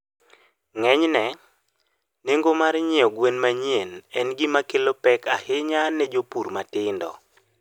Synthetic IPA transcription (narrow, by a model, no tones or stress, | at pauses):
ŋɛɲnɛ | neŋɡomaɾɲɪɔɡwenmaɲienɛnɡɪmakelopɛkahɪɲanɛd͡ʒopuɾmatɪndɔ̰